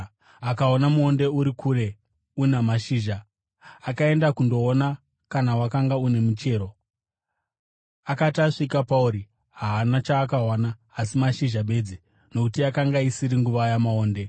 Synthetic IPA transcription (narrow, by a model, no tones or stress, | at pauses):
akao̞namuo̞nde̞uɾikʰuːɾe̞ | unamaʃiːʒaː | kaendakundo̞ːna | kanawakaŋɡaune̞mut͡ʃe̞ːɾo̞ | akataʂikapauɾi | ɦaːnat͡ʃaːkaɦwanaː | simaʃiʒaɓe̞d͡zi | nokutiakaŋɡaisiɾiŋɡuʋajamaoːnde̞